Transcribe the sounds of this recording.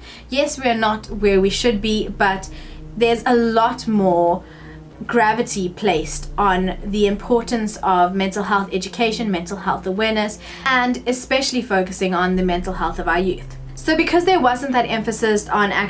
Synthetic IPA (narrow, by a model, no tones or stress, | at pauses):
jɛswiənətwəwiʃɨd̚bibʌtðə˞zəlɔtmɔː | ɡɹævətʰipʰl̥eɪstn̩ðiɪ̃mpʰɔˑtən̩səvmɛ̃ntˡl̩ˠɦɛlˠθɛd͡ʒɨkʰeɪʃə̃nmɛ̃ntˡəl̩ˠɦɛlˠθəwɛɹnəs | ə̃ndɨspɛʃəl̩ˠifoʊkəsɪ̃ŋə̃nðɨmɛ̃ntˡl̩ˠɦɛlˠθʌvaʊəjʉθ | soʊbɨkʰʌzðəwʌzə̃nðəɾɛ̃ɱfəsɪsn̩æ̰k̚